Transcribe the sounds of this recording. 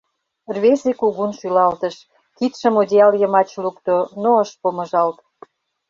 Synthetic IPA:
rβesekuɣunʃylɑlt̪əʃ | kit̪ʃə̆modʲeɑljəmɑt͡ɕlukt̪onoəʃpomə̆ʒɑlt̪

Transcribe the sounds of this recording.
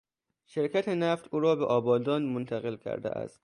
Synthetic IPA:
ʃeɾkʲʰæt̪ʰenæft̪uːɾɒːbeʔɒːbɒːd̪ɒːnmont̪ʰæɣe̞lkʰæ̰ɾd̪ḛʔæ̰st̪

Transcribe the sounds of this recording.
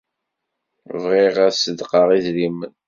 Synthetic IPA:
vʁiʁæsəd̪qɑʁizɾimən

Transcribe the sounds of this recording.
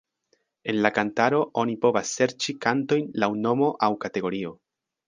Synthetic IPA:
e̞nlakantaɾo̞ʔonipo̞vasːe̞ɾt͡ʃikanto̞jnlawno̞mo̞ʔawkate̞ɡo̞ɾio̞

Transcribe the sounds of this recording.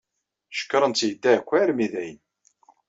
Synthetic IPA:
ʃə̥kːɾˤənt͡s̪ːjəd̪ːækʷːæɾmiðæjən

